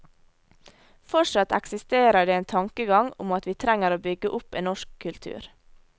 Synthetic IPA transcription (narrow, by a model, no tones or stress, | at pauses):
fɔʂɑt̪ɛ̰ksɪst̪eːɾəɖeːeːnt̪ʰɑŋkəɡɑŋʊ̰mɑt̪ʋiːt̪ʰɾæŋəɾoːbʏɡəʔʊpeːnɔʃkʰːʉlt̪ʰʉ̰ːɾ